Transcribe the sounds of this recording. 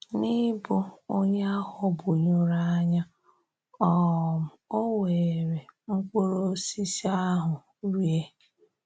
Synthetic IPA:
ni˦bʊ˦o˦ɲe˦a˦hɔ˦bʊ˨ɲo˦ɾa˦a˦ɲa˦ | ɔ˦˨m̩˨o˦we˨ɾe˨ŋ͡m̩˦kʷo˦ɾo˦si˦si˦a˦ɦʊ˨ | ɾi˦e˦

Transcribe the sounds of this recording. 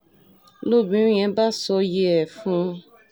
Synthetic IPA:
lo˦˨bĩ˨˦ɛ̃˨˦ba˦sɔ˧je˦ɛ˨fũ˦

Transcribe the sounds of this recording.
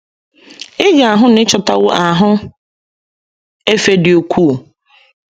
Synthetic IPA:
ɪ˦ɡa˨a˨ɦʊ˦n̩˦ɪ˦t͡ʃɔ˨ta˨wʊ˦ʔa˨ɦʊ˦ | e˦fe˦dɪ˨o˨kʰʷu˦˨

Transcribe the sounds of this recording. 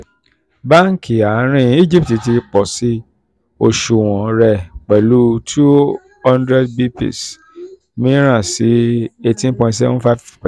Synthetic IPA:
ba˦ŋ̩˨ki˨a˨˦ɾ̃ĩ˦i˦˨d͡ʒi˦pti˨ti˧k͡pɔ˨si˦ | o˧ʃu˨w̃ɔ̃˨ɾɛ˧k͡pɛ˨lu˦tʰu˦ | hã˦ndɾɛ˦dbi˦pḭ˨s | mĩ˦ɾ̃ã˦˨si˨˦e˧tĩ˦n˦pɔ̃˧ĩ˧tsɛ˦vũ˦fa˦v

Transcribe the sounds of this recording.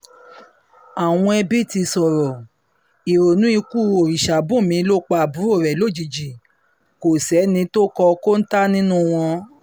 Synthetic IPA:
a˨w̃ɔ̃˧ɛ˧bi˦ti˧sɔ˨ɾɔ˨ | i˨ɾo˨nũ˨˦i˧ku˦˨o˨ɾi˨ʃa˨bũ˦˨mĩ˧˦lo˦k͡pa˧˨bu˨˦o˦˨ɾɛ˨lo˨˦˨d͡ʒi˨d͡ʒi˨ | ko˨sɛ˨˦nĩ˧to˦kɔ˧ko˦n̩˦ta˦nĩ˦nũ˦˨w̃ɔ̃˧

